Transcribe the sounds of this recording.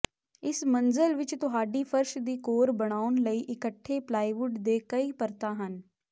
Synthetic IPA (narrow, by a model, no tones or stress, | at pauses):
ɪsmənzəlʋɪt͡ʃt̪ʊɦaːɖiːpʰəɾʃd̪iːkoːɾbəɽ̃aːʊnləiːʔɪkəʈʰːeːplaːiːʋʊɖd̪eːkəiːpəɾt̪ãːɦən